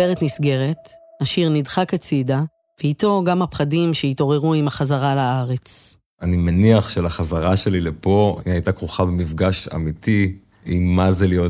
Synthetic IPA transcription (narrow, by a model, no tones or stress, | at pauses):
eʁet̪nisɡe̞ʁe̞t̪aʃiʁnidχakat͡sida | veito̞ɡamapχadimʃeito̞ʁe̞ʁuimaχazaʁalaaʁe̞t͡s | animaniaχʃelaχazaʁaʃe̞lilepo̞ajtakʁuχabemifɡaʃa̰mit̪i | imːazelijot